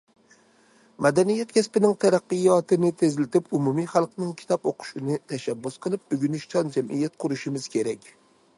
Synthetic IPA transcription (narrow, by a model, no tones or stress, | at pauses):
mɛd̪ɛnijɛt̪kʲʰɛspɪnɪŋt̪ʰæɾæqːɨjɑt̪ʰɨnɪt̪ʰezlɪt̪ɪpumumijχælˠqnɪŋkʲʰi̥t̪ʰɑpoqʰʊ̥ʃɪnɨt̪ʰɛʃæbːusqʰəlˠɨp̚byɡʲynɪʃt͡ʃʰɑnd͡ʒɛmʔijɛt̪̚qʰʊɾuʃɪmɪz̥kʲʰeɾɛkʲ